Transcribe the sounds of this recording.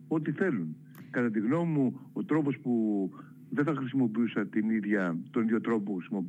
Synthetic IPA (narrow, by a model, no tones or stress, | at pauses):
o̞t̪iθe̞lun | kɐt̪ɐt̪̬iɣno̞mimuo̞t̪ɾo̞po̞spu | ðeθɐxɾisimo̞piusɐt̪iniðʝɐt̪o̞niðʝo̞t̪ɾo̞poxɾisimo̞p